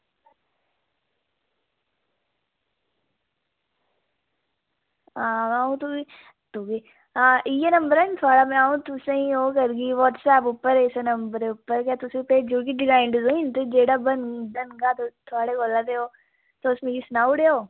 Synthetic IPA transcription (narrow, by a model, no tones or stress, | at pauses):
aaːũt̪ui | t̪uɡe | aijenɐ̃mbəɾant̪ʰoaːɽamẽaːũt̪ʊsẽĩoːkəɾɡiʋɔːʈsɛːpʊpːəɾɪsenɐmbəɾeʊpːəɾkjat̪ʊsẽped͡ʒuːkiɖɪɡaːɪɳɖzoint̪od͡ʒeːɽabəndənɡat̪ot̪ʰoaːɽekoːlat̪eoː | t̪oʊsmẽɡisnaːʊɖeoː